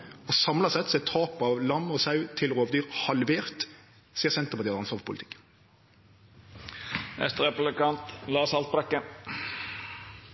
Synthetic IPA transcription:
ɔsɑmlɑsɛt̪sɔɛt̪ʰɑːpɑʋlɑmːɔsɑʉt̪ʰɪlʁoːʋd̪yːʁhɑlʋeːʁt̪ | siːəʁsɛnt̪əpɑt̪iːɑd̪ɑnsɔʁʋpʰʊlɪt̪ɪ̥kː | ɛ̰st̪əʁɛpʊblɪkɑnt̪lɑːsɑlt̪̚bɾɛkːə

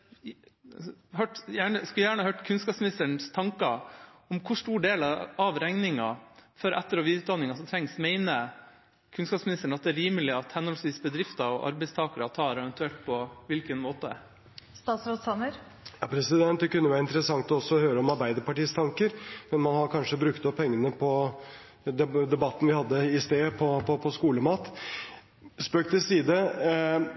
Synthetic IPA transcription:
ɦøʈjæːɳəskʉljæːɳəhɑhœːʈkʰʉnskɑːpsmnɪst̪əɳst̪ʰɑŋkɑɔmkʰʊʂʈuːɖeːlɑɑʋɾɛŋnɪŋɑ̰fœɾʔɛt̪ːəɾɔʋiɪːʉːt̪d̪ɑnːɪŋɑsɔt̪ʰɾɛŋsmɛɪnə | kʰʉnskɑːpsmɪnɪst̪əɳ̩ɑt̪̚d̪ɛːɾiːməlɪɑt̪hɛnhɔlsʋiːsbəd̪ɾɪft̪ɑɔʔɑ̰ɾbɛɪst̪ʰɑːkəɾɑt̪ʰɑːɾɛʋɛnt̪ʉɛlt̪̚pʰɔʋɪlkənmoːt̪əə̰ | st̪ɑːt̪sɾot̪sɑnəɾ | jɑːpʰɾɛsɪd̪ɛnt̪kʰːʉnːəʋæːɾɪnt̪əɾəsɑŋt̪ɔɔsːɔhøːɾəɔmɑɾbæɪd̪əɾpɑʈiːst̪ʰɑŋkəɾmɛnmɑnhɑɾkʰɑnʂəbɾʉkt̪ɔpʰːɛŋːənəpʰɔ | d̪ɛd̪ɛbɑt̪ːən̩ʋɪhɑd̪ːəɪst̪eːpʰɔpɔpʰɔskuːləmɑːt̪ | spøːk̚t̪ɪsiːd̪ə

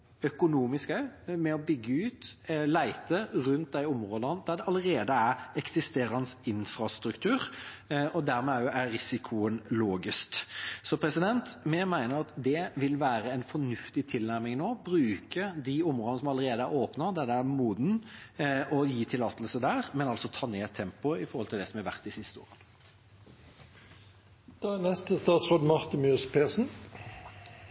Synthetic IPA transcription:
œkʊnuːmɪskəmɛɔbʏɡːəʉːt̪læɪt̪əɾʉnt̪̚d̪æɪʊmɾoːd̪ənd̪̥æɖ̪ɛʔɑləɾeːd̪əæɾɛksɪst̪eːɾɑnsɪnfɾɑst̪ɾʉkt̪ʰʉːɾɔd̪æɾmɛæʊʔæɾɪsɪkʰʊənloːɡɪsktsɔpʰɾɛsɪd̪ɛnt̪mɛmæɪnəɾɑt̪d̪ɛʋɪlʋæːɾəɛɪnfɔnʉft̪ɪt̪ʰɪlnæɾmɪŋnoːbɾʉːkəd̪iʊmʁoːd̪nəsɔmɑlːəɾeːd̪əæɾoːpnəd̪æd̪ɛæɾmuːd̪n̩ | ɔjiːt̪ʰɪlɑːt̪lsəd̪æːɾmɛnɑlsɔt̪ʰɑːneːt̪ʰːɛmpʊɪfɔɾhɔlt̪ʰɪlɛsɔmæɾʋæ̰ʁt̪d̪ɪsɪst̪əo̰ːɾən | d̪̥ɑænɛst̪əst̪ɑːt̪sʁoːd̪mɑʁt̪ɪmøːspʰeːsn̩

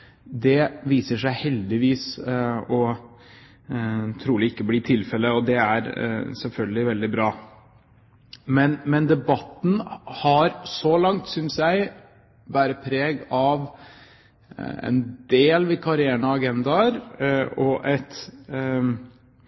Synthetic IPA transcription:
d̪ɛʋiːsəʂæɪhɛld̪ɪʋiːsɔ | t̪ʰɾuːlɪɪkːəbliːt̪ʰɪlfɛlːəɔd̪ɛæɾsɛlfœlɡəlɪʋɛld̪ɪbɾɑː | mɛnmɛnd̪ɛbɑt̪ːn̩hɑɾsɔlɑŋt̪sʏnsjæɪ | ʋæːɾəpʰɾeːɡɑʋ | ɛ̰nd̪eːlʋɪkʰɑɾɪæːɳɑːɡɛnd̪ɑɾɔʔɛt̪

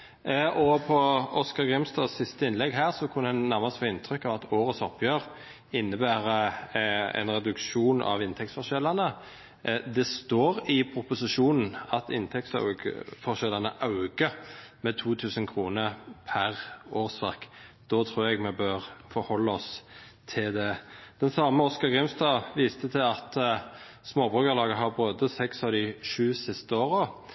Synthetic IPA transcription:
ʔɔpʰɔɔskɑɡʁɪmst̪ɑssɪst̪əɪnlɛɡɦæːʁsɔkʰʉnːəɛnnæʁmɑsfɔːɪnt̪ʰɾʏkːɑʋɑt̪ʰoːɾəsɔpjøːʁ | ɪnːəbæːʁə | ɛ̰nɾɛd̪ʉkʃuːnʔɑ̰ʋɪnt̪ʰɛk̚t̪sfɔʁʂʃɛlːɑnə | d̪ɛst̪oːʁɪpʰɾʊpʊsɪʃuːnn̩ɑt̪ɪ̰nt̪ʰɛkt̪sɑ̰ɡə̰fɔʃɛlɑnə̰ʔɑʉɡəmɛt̪ʰuːt̪ʰʉːsənkʰʁuːnəpʰæʁoːʁsʋɑʁk | d̪̥ɔt̪ʰɾuːɾɛɡmɛbøːʁfɔɾhɔlːəɔst̪ʰɪld̪ɛd̪̥ɛnsɑːməɔskɑɡʁɪmst̪ɑːʋiːst̪ət̪ʰɪlɑt̪ | smoːbʁʉːkəʁlɑːɡəɦɑʁbʁøːd̪əsɛksɑʋd̪ɪʂʉːsɪst̪əoːʁə

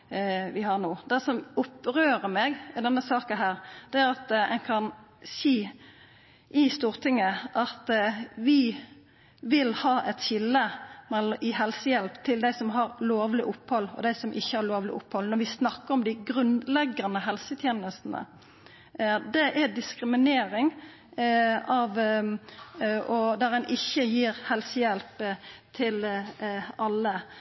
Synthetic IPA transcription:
ʋɪhɑnoːd̪ɛsɔmʊpːɾøːɾəmeːɡɛd̪ɛnːəsɑːkənɦæːɾd̪̥ɛæɾɑt̪ɛ̰ŋkʰɑnsiː | ʔɪst̪uːʁt̪ʰɪŋːəʔɑt̪ʋɪ | ʋɪlhɑːʔɛt̪çɪlːəmɛlʔɪɦɛlsəjɛlpt̪ʰɪld̪æɪsɔmɦɑɾloːʋlɪʔʊpːhɔlːɔ̰d̪æɪsɔmʔɪçːəhɑɾloːʋlɪʔʊpːhɔlnɔɾʋɪsnɑkːəɾɔmd̪ɪɡɾʉnd̪lɛɡɑnəɦɛlsət̪ʰjeːnəst̪n̩ə̰ | d̪ɛʔæd̪ɪskɾɪmɪneːɾɪŋ | ɑʋ | ɔd̪æɾɛnʔɪçːəjiːɾhɛlsəjɛlpt̪ʰɪl | ɑlːə

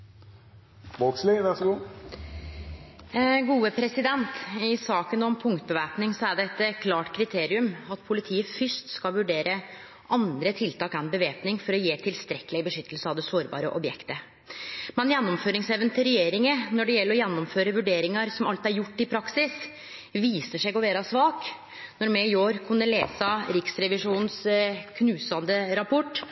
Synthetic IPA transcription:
bokslɪʋæʁsɔɡuː | ɡuːəpʰɾɛsɪd̪ɛnt̪ɪsɑːkənɔmpʰʊŋkt̪̚bəʋæːpnɪŋsɔæɖɛɛt̪ːkʰlɑːʈkʰɾɪt̪ʰeːɾɪʉmɑt̪pʰʊlɪt̪ʰiːəfʏʂt̪skɑlʋʉɖeːɾə | ʔɑnd̪ɾət̪ʰɪlt̪ʰɑːkɛnbəʋeːpnɪŋfɔɾɔjeːt̪ʰɪlst̪ɾɛkːəlɪəbəʂʏt̪ːəlsəɑʋd̪ɛsoːɾbɑ̰ːɾə̰ʔɔbjɛkt̪ə | mɛnjɛnːɔmføːɾɪŋsɛʋənt̪ʰɪɾɛjeːɾɪŋənɔɖɛjɛlːəɾɔjɛnːɔmføːɾəʋʉɖeːɾɪŋɑɾsɔmɑlt̪æɾjʊʈːɪpʰɾɑksɪs | ʋiːsəʂɛɡɔʋeːɾɑsʋɑːk | nɔɾmɛɪoːɾkʰʉnːəlḛːsəɾɪksɾɛʋɪʂuːnnskʰnʉːsɑnd̪əɾɑpʰɔʈː

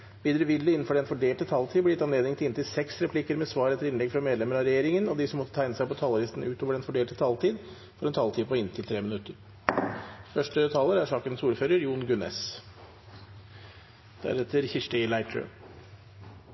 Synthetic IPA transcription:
ʋiːd̪ɾəʋɪd̪əɪnːn̩fɔɖɛnfɔɖeːlʈət̪ʰɑːlt̪ʰiːblɪt̪ɑnleːd̪nɪŋt̪ʰɪnt̪ɪlsɛksɾɛpʰlɪkəɾmɛsʋɑːɾɛt̪ʰːəɾɪnlɛɡfɾɑmeːd̪ɛməɾɑɾɛjeːɾɪŋənɔd̪ɪsɔmɔt̪ːət̪ʰæɪnəsæɪpʰɔt̪ʰɑːlɾɪst̪n̩ʉːt̪ʰoːʋəɖɛnfɔɖeːlt̪ət̪ʰɑːlt̪ʰiːd̪ | fɔɾɛnt̪ʰɑːlt̪iːpɔɪnt̪ʰɪlt̪ʰɾeːmɪnʉt̪ːəɾ | fœʂʈət̪ʰɑːləɾæʂɑːkənsuːɾføːɾəɾjuːnɡʉnɛ̰s | d̪̥æ̰ɾɛt̪ʰəɾçɪʂʈəlæɪt̪ʰɾø̰

